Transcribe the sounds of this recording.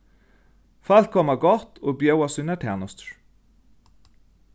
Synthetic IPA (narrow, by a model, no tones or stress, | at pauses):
fɑlkʰɔmɑɡɔt̪oːbjœwɑsʉnəʈʰæːnɔst̪ɹ